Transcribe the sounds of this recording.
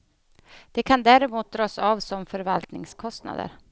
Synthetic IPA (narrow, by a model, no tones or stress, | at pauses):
d̪̥ɛkʰand̪æːɾɪmuːt̪̚d̪ɾɑːsɑːvsɔmfœɾvalt̪nɪŋskʰɔst̪na̰d̪ə̰ɾ